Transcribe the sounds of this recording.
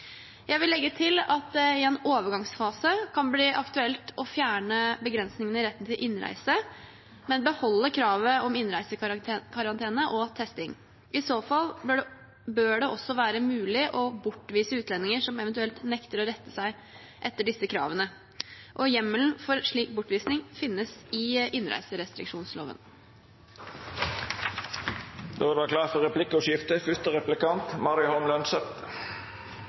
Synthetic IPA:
jʔæɪʋɪlːɛɡːət̪ʰɪlɑt̪̚d̪ɛɪɛnoːʋəɾɡɑŋsfɑːsəkʰɑnbliːʔɑkt̪ʉɛlt̪ʰɔfjæːɳəbəɡɾɛnsnɪŋənəɪɾɛt̪ːənt̪ʰɪlʔɪnːɾæ̰ɪsə | mɛnbəhɔlːəkʰɾɑːʋəɔmɪnɾæɪsəkʰɑɾɑnt̪ʰeːnəʔɔt̪ʰɛst̪ɪŋ | ɪsoːfɑlbøɖ | bøːɖɛʔɔsːɔʋæːɾəmʉːlɪʔɔbʊʈːʋiːsəʉːt̪ʰlɛnːɪŋəʂɔmɛʋənt̪ʉɛlt̪nɛkt̪əɾɔɾɛt̪ːəsæɪ | ʔɛt̪ːəɖɪsːəkʰɾɑ̰ːʋənə | ʔɔjɛmːəln̩fɔɾʂɭiːk̚bʊʈːʋiːsnɪŋfɪnːəsɪʔɪnɾʔæ̰ɪsəɾɛst̪ɾɪ̰kʂuːnslo̰ːʋə̰n | d̪̥ɔːd̪ɛʋɑːkʰlɑːfɔʁɛpʰlɪkəɔʃjɪft̪əfʏst̪əɾɛplɪkɑnt̪mɑɾɪʊhɔnlɑnsœpt̪ə

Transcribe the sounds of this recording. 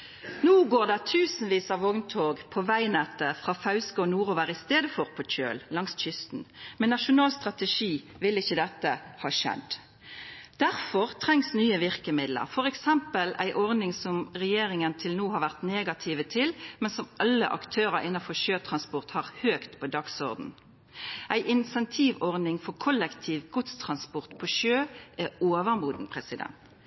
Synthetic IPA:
nuːɡoːʁd̪ɛt̪ʰʉːsn̩ʋiːsɑʋɔŋnt̪ʰoːɡpʰɔʋæɪnɛt̪ːəfʁɑːfɑʉskəɔnuːʁʊʋæɾɪst̪eːd̪əfɔʁpʰɔc͡çø̰ːllɑŋsc͡çʏst̪n̩mɛnːɑʂʊnɑːlst̪ʁɑt̪əʂiː | ʋɪlɪçːəd̪ɛt̪ːəhɑːʃɛ̰d̪ | d̪̥æʁfɔʁt̪ʰʁɛŋsnyːəʋɪʁkəmɪd̪lə̰ʁfɔʁɛksɛmpəlæ̰ɪʔɔʁnɪŋsɔmʁɛjeːɾɪŋənt̪ʰɪlnuːhɑʁʋæʁt̪neːɡɑt̪ʰiːʋət̪ʰɪlmɛnsɔmʔɑlːə̰ʔɑ̰kt̪ʰøːʁɑɾɪnːɑfɔʃøːt̪ʰʁɑnspɔʁt̪hɑʁhøːkt̪pʰɔd̪ɑksɔʁd̪n̩ | ʔæɪʔɪnsɛnt̪ʰiːʋɔʁnɪŋfɔʁkʰɔlɛkt̪ʰiːʋɡ̥ʊt̪st̪ʰʁɑnspɔʁt̪pʰɔʃøːʔæoːʋəʁmuːd̪n̩pʰʁɛsɪd̪ɛ̰nt̪

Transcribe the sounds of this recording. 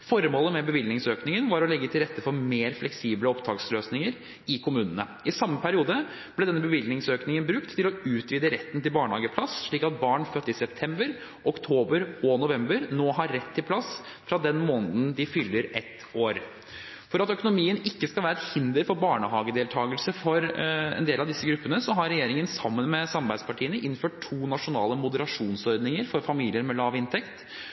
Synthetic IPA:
fɔɾmoːləmɛbəʋɪlnɪŋsøːknɪŋənʋɑɾɔlɛɡːət̪ʰɪlɾɛt̪ːəfɔɾmeːɾflɛksiːbləɔpd̪ʰɑːksløːsnɪŋəɾ | ɪkʰʊmʉːnənə̰ | ɪsɑmːəpʰæɾɪuːd̪ə | b̥lɛd̪ɛnːəbəʋɪlnɪŋsøːknɪŋənbɾʉkt̪ʰːɪlɔʉːt̪ʰʋiːd̪əɾɛt̪ːnt̪ɪlbɑːɳhɑːɡəpʰlɑsʂɭiːkɑt̪̚bɑːɳfœt̪ːəɪsɛpt̪ʰɛmbəɾ | ʔɔkt̪ʰoːbəɾɔnʊʋɛmbəɾnoːɦɑɾːɛt̪ʰːɪlplɑs | fɾɑd̪ɛnmoːnd̪n̩d̪ɪfʏlːəɾɛt̪ | oːɾ | fɔɾɑt̪œkʊnʊmiːənɪkːəskɑlæːɾɛt̪hɪnd̪əɾfɔɾbɑːɳəɦɑːɡəd̪eːlt̪ʰɑːɡəlsəfɔɾɛ̰nd̪eːlɑʋd̪ɪsːəɡɾʉpːənəsɔɦɑɾɛjeːɾɪŋənsɑmːənmɛsɑmbæɪspɑʈʰiːənəʔɪnføːʈ̚tʰːuːnɑʂʊnɑ̰ːləmʊd̪əɾɑʂuːnsɔɾd̪nɪŋəɾfɔɾfɑmiːlɪəɾmɛlɑːʋɪnt̪ʰɛkt̪

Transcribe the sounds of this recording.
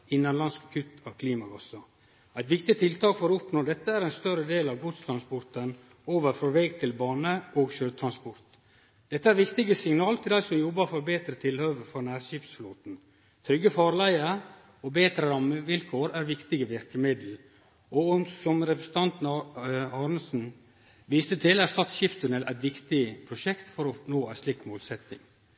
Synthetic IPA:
ɪnːɑnlɑnskkʰʉt̪ɑkʰliːmɑɡɑsɑ | æɪt̪ʋɪkt̪ɪt̪ʰɪlt̪ʰɑːkfɔɾɔʊpnoːd̪ɛt̪ːəæɾɛɪnst̪œɾəd̪eːlɑʋɡʊt̪st̪ʰɾɑnspɔɾt̪ən | oːʋəɾfɾoːʋɛɡt̪ʰɪlbɑːnəoːɡʃøːt̪ʰɾɑnspɔɾt̪ | d̪̥ɛt̪ːəæɾʋɪkt̪ɪɡəsɪŋnɑːlt̪ʰɪldæɪsɔmjɔbːəɾfɔɾbeːt̪ɾət̪ʰɪlhøːʋəɾfɔnæːɾʃiːpsfluːt̪n̩ | t̪ʰɾʏɡːəfɑːɾlæɪəɾ | ɔbeːt̪ɾəɾɑmːəʋɪlkʰoːɾæɾʋɪkt̪ɪɡəʋɪɾkəmɪd̪l̩ | ɔnsɔmɾɛpɾəsn̩t̪ʰɑnt̪n̩ɑːɾnəsn̩ | ʋiːst̪ət̪ʰɪlæɾst̪ɑt̪ʃɪft̪ʰʉnɛlʔæ̰ɪt̪ʋɪkt̪ɪpʰɾʊʃɛkt̪fɔɾɔnoːæɪslɪkːmoːlsɛt̪nɪ̰ŋ

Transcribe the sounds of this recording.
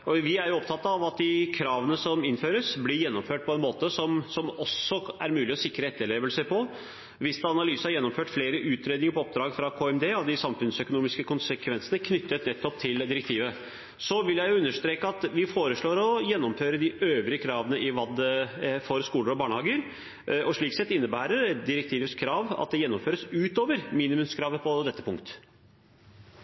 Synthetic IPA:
ɔʋɪæɾjʊɔp̚t̪ʰɑt̪ːɑɑʋɑt̪̚d̪ɪkʰɾɑːʋənəsɔmɪnføːɾəsblɪɾjɛnːɔmføːʈ̚pʰɔɛnmoːt̪əsɔmsɔmɔsːɔæɾmʉːlɪɔsɪkːɾəɛt̪ːəɭeːʋəlsəpʰɔ | ʋɪsd̪ɑɑnɑlyːsəhɑɾjɛnːɔmføːʈfleːɾəʔʉːt̪ʰɾeːd̪nɪŋəɾpʰɔɔp̚d̪ɾɑːɡfɾɑkʰoːɛmd̪eːɔd̪ɪsɑmfʉnsœkʊnuːmɪskəkʰʊnsəkʰʋɛnsənəkʰnʏt̪ːət̪nɛt̪ʰːɔp̚t̪ʰɪld̪ɪɾɛk̚t̪ʰiːʋə | sɔʋɪljæɪjʊʉnːəʂt̪ɾeːkəɑt̪ʋɪfoːɾəʂɭoːɾɔjɛnːɔmføːɾəd̪ɪøːʋɾɪəkʰɾɑːʋənəʔɪʋɑd̪fɔɾskuːləɾɔbɑːɳhɑːɡəɾ | ʔɔʂɭiːksɛt̪ːɪnːəbæːɾəɾd̪ɪɾɛk̚t̪ʰiːʋət̪skʰɾɑːʋɑ̰t̪̚d̪ɛjɛnːɔmføːɾəsʉːt̪oːʋəɾmiːnɪmʉmskʰɾɑːʋəpʰɔd̪ɛt̪ːə̥pʰʊŋkt̪

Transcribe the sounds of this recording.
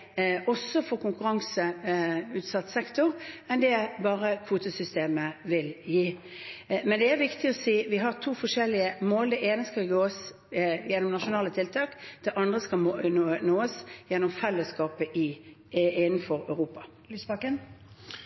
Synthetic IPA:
ɔsːɔfɔʁkʊŋkʉɾɑŋsəʉːt̪sɑt̪ːsɛkt̪ʊʁɛnd̪ɛæbɑːʁəkʰʋuːt̪əsʏst̪eːməʋɪljiː | mɛnd̪ɛæɾʋɪkt̪ɪɔsiːʋɪɦɑʁt̪ʰuːfɔʂɛlɪəmoːld̪ɛʔeːnəskɑlɡoːs | jɛnːɔmnɑʂʊnɑːlət̪ʰɪlt̪ʰɑːkd̪̥ɛʔɑnd̪ʁəskɑmonoːəsjɛnːʊmfɛlːəskɑːpəʔɪ | ɪnn̩fɔɾœʉʁuːpɑ | lysbɑkən

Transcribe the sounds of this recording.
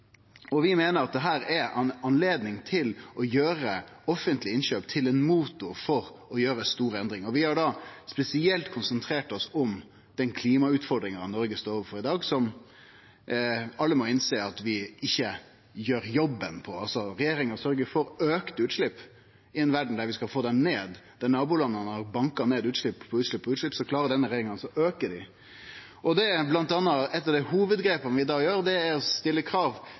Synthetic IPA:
ɔʋɪmeːnəɾɑt̪̚d̪ɛɦæːɾɛɑnleːd̪nɪŋt̪ʰɪlɔjøːɾə | ɔfːənt̪lɪɪnʃøːpt̪ʰɪlɛnmuːt̪ʊfɔɾɔjøːɾəst̪uːɾɛnd̪ɾɪŋɔʋɪhɑɖɑspɛsɪɛlt̪kʰʊnsənt̪ʰɾeːʈɔsʊm | d̪̥ɛnkʰliːmɑʉːt̪fɔɾɖ̪ɾɪŋɑɑnɔɾɡəst̪oːɾɔʋəɾfɔɾɪd̪ɑːɡsɔm | ɑlːəmɔɪnseːɑt̪ʋɪɪçːə | jøːɾjɔbːənpʰɔɑlsɔɾɛjeːɾɪŋəɾsœɾɡəɾfɔɾøːkt̪ʉːt̪ʂɭɪpː | ɪɛnʋæɖɳ̩d̪æɾʋɪskɑlfoːd̪ɛnneːd̪d̪̥ɛnɑːbuːlɑnːənəhɑɾbɑŋkɑneːd̪ʉːt̪ʂɭɪpːpʰːɔʉːt̪ɭɪpːʰɔʉːlɪpːsɔklɑːɾəd̪ɛnːəɾɛjeːɾɪŋɑnsɔʔøːkədɪ | ɔd̪ɛblɑnt̪ɑːnːɑɛt̪ːɑʋd̪ɛhuːʋəd̪ɡɾeːpɑnʋɪd̪ɑːjøːɾd̪ɛæɾɔst̪ɪlːəkʰɾɑːʋ

